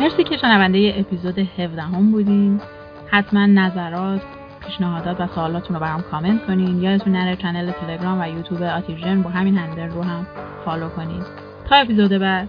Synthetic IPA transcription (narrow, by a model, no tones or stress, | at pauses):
me̞ɾsiːcʰe̞ʃenævænd̪e̞je̞ʔepʰiːzod̪e̞he̞vd̪æɦo̞mbuːd̪iːm | hæt̪ʰmænːæzæɾɒːt̪ʰ | pʰiːʃnæɦɒːd̪ɒːt̪væsoːlɒːt̪ʰunɾobæɾɒmkʰɒːme̞nt̪kʰo̞niːnjɒːd̪et̪ʰunːæɾet͡ʃʰænelet̪ʰe̞le̞ɡɾɒːmvæjuːt̪ʰuːbeɒt̪ʰiʒenbɒːɦæmiːnhænd̪eɾːoːɦæmxɒːlokʰo̞nḭːd̪ | t̪ʰɒːe̞pizod̪e̞bæd̪̥